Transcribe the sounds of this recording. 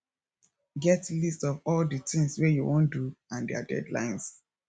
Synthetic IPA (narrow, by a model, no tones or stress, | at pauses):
ɡɛtlistɔvɔldətɪ̃ŋswɛjuwõnduãndɛa̰dɛ̰dlã̰ɪ̃ns